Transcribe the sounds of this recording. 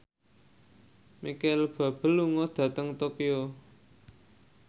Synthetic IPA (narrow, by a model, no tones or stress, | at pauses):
mikalb̥ä̤b̥ə̤lːuŋɔd̪̥ä̤t̪əŋt̪okio